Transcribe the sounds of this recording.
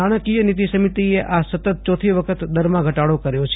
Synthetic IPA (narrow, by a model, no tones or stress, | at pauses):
aɽ̃əkijənit̪isəmit̪ieʔasət̪ət̪̚t͡ʃɔt̪ʰiʋəkʰət̪d̪əɾmãɡʱəʈaɽokəɾjot͡ʃʰ